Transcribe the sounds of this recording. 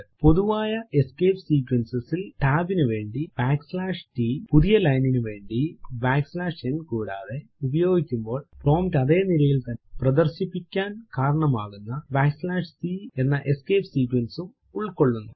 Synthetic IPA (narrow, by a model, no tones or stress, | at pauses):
po̞ðuʋaːjɐeskeːpsiːkwɐnsɐsilʈaːbinɨʋe̞ːɳɖib̥aːkslaːʂʈipuðijɐlɐjninɨʋe̞ːɳɖibaːkslaːʂenːkuːɽa̰ːðe̞ubɐjo̞ːɡikʲːumbo̞ːɭpro̞ːmtɐðe̞ːnilɐjilt̪ɐnːeprɐðɐrɕipːikʲːaːnkaːɾɐɳɐmaːɣunːɐbaːkslaːʂsiːe̞nːɐʔe̞skeːpsiːkwɐnsum | uɭko̞ɭːunːu